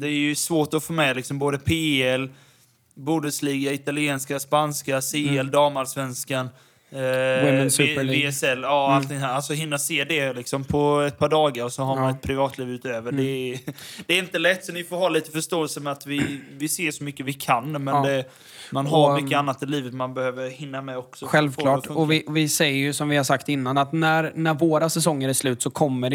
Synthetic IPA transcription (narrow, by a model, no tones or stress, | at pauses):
d̪ɛːjɾjɵsvoːʈɔfoːmɛlɪksɔmboːd̪əpʰeːɛl | buːd̪əsliːɡaɪt̪alɪeːnskaspanskaseːɛld̪ɑːmalsvɛnskan | beːɛsɛlːɑːalt̪ʰɪŋɦæːɾasɔɦɪnːaseːd̪ɛlɪksɔmpʰɔɛt̪̚pʰɑːɖɑːɡaɾɔsɔɦaɾmanɛt̪̚pʰɾɪvɑːt̪ʰliːvʉ̟ːt̪øːvəɖɛ | d̪̥ɛːɾɪnt̪əlɛt̪ːsɔnɪfoːɾɦaːliːt̪əfœʂt̪oːɛlsəmɛat̪vɪvɪseːʂɔmʏkːəvɪkʰanmɛd̪ɛ | manɦaɾmʏkːəanːat̪ɪliːvət̪manbɛhøːvəɾhɪnːamɛɔksɔɧɛlvkʰlɑːʈɔvɪvɪsɛjːəɾjɵsɔmvɪhaɾsakt̪ɪnːanat̪næɾnæɾvoːɾasɛsɔŋːəɾæʂlʉ̟ːt̪sɔkʰɔmːəɖɛ